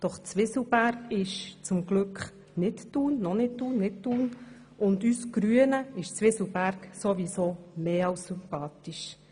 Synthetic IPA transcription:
d̥ɔχt͡sʋɪsl̩bæɾkɪʃt͡sʊmɡlʏkχ | nɪtd̥uːnːɔnɪt̚d̥uːnːɪt̚d̥uːn | ʊndysɡ̥ɾyənəɪʃt͡sʋɪslbæɾksoʋisoːmeːɑwsːympɑːtiʃ

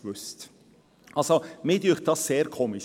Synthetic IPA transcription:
ʋʏst | ʔɑlsomɪːdyːχt̚d̥ɑsːeːɾkʰoːmɪʃ

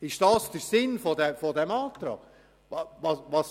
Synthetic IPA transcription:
ɪʃd̥ɑsd̥̪əɾsɪnfɔdɛfɔdɛmɑːt̪ɾɑ̰ːɡ | ɑʋɑʋɑs

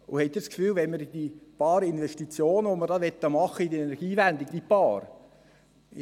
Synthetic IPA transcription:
ʊhɛt̪ːiskfyːlʋɛnməɾid̥̪ipɑːɾɪnvɛʃtit͡sjoːnəʋoməɾdɑʋɛt̪ːəmɑχəidiɛnɛɾɡ̥iːvænd̪iɡ̚d̥̪ipɑːɾ

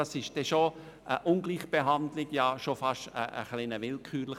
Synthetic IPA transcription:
ɑsɪʃd̥ɛʃo | ʔəʔʊnɡliːχb̥eɦɑndlɪɡ̥jɑʃofɑʃtə̰ə̰χlinəʋɪlkʰyːɾlə

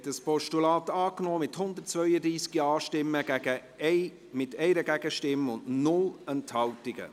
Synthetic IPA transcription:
ɛtdəspɔʃtulɑːtɑːknoːmɪthʊndət̚t͡svœʏəd̪ɾiːsɡ̥ɑːʃtɪmːəɡ̥æɡ̥ə | mɪtɛɪɾəɡæɡ̥əʃtɪməʊndnʊlənthɑltɪɡ̥ə̰

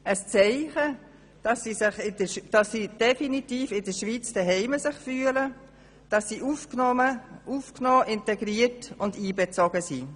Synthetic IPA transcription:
əst͡sɛɪχə | d̥ɑsisɪχɪd̥əd̥ɑsːid̥ɛfinitiːfɪdəʃʋiːt͡sd̥ɛɦɛɪməsɪχfyːələ | d̥ɑsːiʔufnɔəufknoːʔɪntɛɡɾiːətʊndiːbɛt͡sɔɡ̥əsi

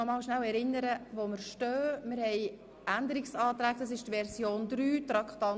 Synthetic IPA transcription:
ɔmɑːlʃnæwɛɾɪnːəɾəvoməɾʃtœːmɪɾhɛj | ænd̪əɾɪksɑːtɾæːk̚d̥ɑs̬ɪʃtʋɛɾzjoːnd̪ɾyːtɾɑkχtɑn

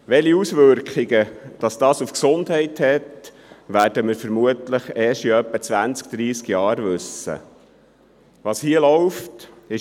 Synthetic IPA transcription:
ʋɛliusʋʏɾkχɪɡəd̥ɑsd̥ɑːsufksondɦɛɪthɛt | ʋæːrdəməɾfəɾmuətləχɛːʃiœpːət͡sʋænt͡sk̚d̥ɾiːskjɑːɾʋɵsə̰ | ʋɑshiəlɔʊft | ɪ

